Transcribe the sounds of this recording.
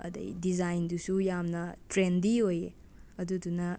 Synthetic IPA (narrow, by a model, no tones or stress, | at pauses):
ɐ̰dɐ̰jdizajndusujamnɐtɾendiojḛ | ɐdudunɐ